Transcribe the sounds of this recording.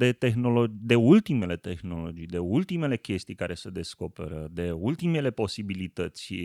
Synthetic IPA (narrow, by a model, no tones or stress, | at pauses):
d̪e̞t̪e̞xno̞lo̞d͡ʒd̪e̞ult̪ime̞le̞t̪e̞xno̞lo̞d͡ʒijd̪e̞ult̪ime̞le̞kʲe̞st̪ijkaɾe̞sed̪e̞sko̞pe̞̰ɾəd̪e̞ult̪ime̞le̞po̞sibilit̪ət̪sʲ